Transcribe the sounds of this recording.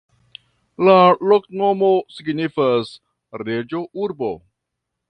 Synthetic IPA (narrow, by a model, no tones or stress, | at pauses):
laloknomosiɡnifas | ɾed͡ʒoʔuɾbo̰